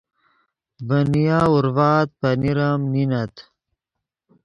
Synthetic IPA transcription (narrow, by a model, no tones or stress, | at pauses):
bɐnijauɾvaːt̪̚pɐniɾamninɐt̪